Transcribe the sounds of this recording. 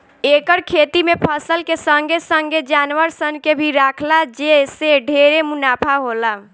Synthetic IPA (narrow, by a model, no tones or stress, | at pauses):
eːkəɾkʰet̪imepʰəsəlkesə̃ŋɡʱesə̃ŋɡʱed͡ʒaːnʋəɾsənkebʱiɾaːkʰlad͡ʒeseɖʱeɾemunaːpʰaɦola